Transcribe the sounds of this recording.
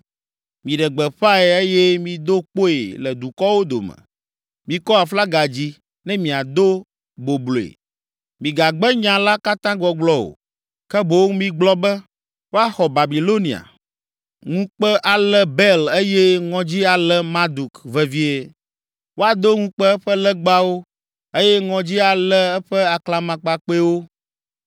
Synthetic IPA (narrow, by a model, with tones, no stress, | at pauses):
mĩ˨ɖɛ˨ɡ͡bɛ˨ɸa˦ɛ˨e˦jɛ˦mĩ˨d̪o˦k͡po˦ḛ˨lɛ˨d̪u˨kɔ˦wo˦d̪o̰˨mɛ̰̃˨ | mĩ˨kɔ˦a˨fla˦ɡa˨d͡ʑi˦ | nɛ̃˦mĩ˨a˨d̪o˦ | bo˨blo˨ḛ˨ | mĩ˨ɡa˨ɡ͡bɛ˦ɲã˨la˦ka˦t̪ã˦ɡɔ˨ɡ͡blɔ˦o̰˨ | kɛ˦bo˨wŋ˦mĩ˦ɡ͡blɔ˦bɛ˦ | wo˦a˦xɔ˨ba˨bi˨lo˦nĩ˨a̰˨ | ŋũ˦k͡pɛ˦ʔa˨lɛ˦bɛ˦le˦jɛ˦ŋɔ̃˨d͡ʑi˦a˨lɛ˦mã˦d̪u˨kvɛ˨vi˦e˨ | wo˦a˨d̪o˦ŋũ˦k͡pɛ˦ɛ˦ɸɛ˦lɛ˦ɡ͡ba˦wo˦ | e˦jɛ˦ŋɔ̃˨d͡ʑi˦a˨lɛ˦ɛ˦ɸɛ˦a˨kla˨mã˨k͡pa˨k͡pe˦wo˦